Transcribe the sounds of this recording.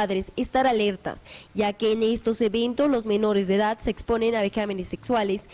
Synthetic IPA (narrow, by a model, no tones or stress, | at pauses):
aðɾesest̪aɾaleɾt̪a̰sʝakeːnest̪o̞seβent̪ozlo̞zmeno̞ɾezðeðad̪seːkspo̞nenaβexamenesːekswales